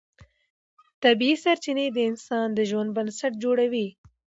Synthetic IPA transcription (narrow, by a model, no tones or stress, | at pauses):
t̪ɐbiːsɐɾt͡ʃined̪əɪnsɑːnd̪əʒwɐnbɐnsɐʈ̚d͡ʒoːɽɐwiː